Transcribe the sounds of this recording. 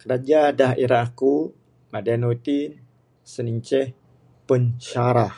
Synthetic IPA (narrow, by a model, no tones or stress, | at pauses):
kəɾad͡ʒadaɦiɾaku | madianot̪i | səniɲt͡ʃɛh | pəɲt͡ʃaɾa